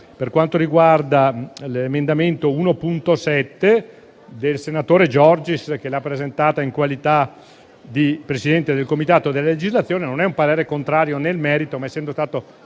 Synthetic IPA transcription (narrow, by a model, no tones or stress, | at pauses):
perkwant̪oɾiɡward̪alemend̪ament̪ouːnopunt̪osɛt̪ːe | d̪elsenat̪oːɾed͡ʒɔrd͡ʒisk̟elapːɾezent̪aːt̪aiŋkwalit̪a | d̪ipɾesid̪ɛnt̪ed̪elkomit̪aːt̪od̪elːaled͡ʒizlat̪sːjoːnenonɛumpaɾeːɾekont̪ɾaːɾjonelmɛːɾit̪omaɛsːɛnd̪ost̪aːt̪o